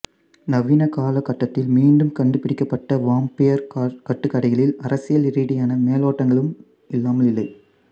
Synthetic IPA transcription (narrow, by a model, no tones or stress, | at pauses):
nɐʋinɐkaːlɐkːɐʈːɐt̪ːɪlmiːɳɖɯmkɐɳɖɯpːɪɽɪkːɐpːɐʈːɐʋaːmpɪjɐɾkɐʈːɯkːɐɽɐɪɣɐɭɪlɐɾɐsɪjɐlɪɾiːɽɪjaːnɐmeːloːʈːɐŋɡɐɭɯm | ɪlːaːmɐlɪlːɐɪ